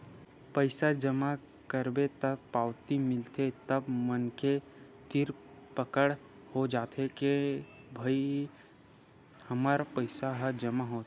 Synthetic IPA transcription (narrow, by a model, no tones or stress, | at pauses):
pəɪsad͡ʒəma | kəɾbet̪əbpaːwt̪imɪlt̪et̪əbmənke | t̪ɪɾpəkəɽ | hod͡ʒaːt̪ʰekebʱəi | həmaːɾpəɪsaɦəd͡ʒəmaɦot̪